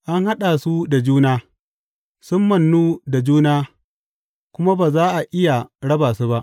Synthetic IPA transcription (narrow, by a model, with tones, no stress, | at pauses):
ʔa˦ŋha˦ɗa˨su˦da˨d͡ʒuː˦naː˦ | sʊ˦mːɐ˨nːuː˦da˨d͡ʒuː˦naː˦ | kʷʊ˦ma˦baː˨zaː˦ʔa˨ʔɪ˦ja˨ɽɐ˦baː˨su˦ba˦ʔ